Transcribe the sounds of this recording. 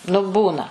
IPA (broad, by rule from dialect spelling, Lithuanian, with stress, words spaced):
nʊ ˈbuːnɐ